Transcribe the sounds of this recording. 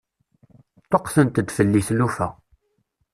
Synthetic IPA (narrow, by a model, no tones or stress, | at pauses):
t̪ːoqθənt̪əd̪fəlːiθlufæ̰